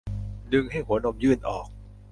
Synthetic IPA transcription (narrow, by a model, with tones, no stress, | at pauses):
dɯ˧ŋha˥˩jhu˩˦ɐno˧mjɯː˥˩nʔɔː˨˩k̚